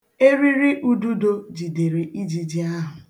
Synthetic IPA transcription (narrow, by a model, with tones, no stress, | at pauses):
e˦ɾi˦ɾi˦ʔu˦du˦do˦d͡ʒi˨de˨ɾe˨ʔi˦d͡ʒi˨d͡ʒi˦a˦ɦʊ˨